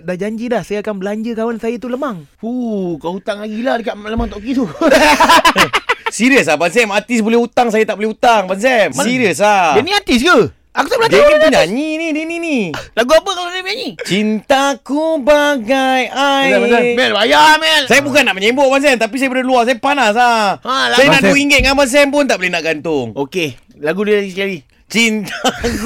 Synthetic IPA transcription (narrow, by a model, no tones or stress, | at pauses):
dahd͡ʒaɲd͡ʒidahsajaakanbəlaɲd͡ʒəkawansajat̪uləmaŋ | ukaut̪aŋlaɡilahdəkaʔləmaŋt̪ɔʔkit̪u | siɾəs̬abansɛmat̪isbolɛhut̪aŋs̬ajat̪aʔbolɛhut̪aŋbans̬ɛmsiɾjəs̬laəniat̪is̬ɡə | akut̪aʔbəlaɲd͡ʒeiuɲaɲininininilaɡuapəkaladimaɲit͡ʃint̪akubaɡajajmɛnbajamɛnsajabukanːaʔməɲemboʔbans̬ɛmt̪apis̬ajabədəluas̬ajapanaslaasajanaduiŋɡət̪̚ŋanbans̬ɛmpʊnt̪aʔbolɛhnaʔɡant̪ʊŋoke | laɡudəlaɡiskali | t͡ʃint̪a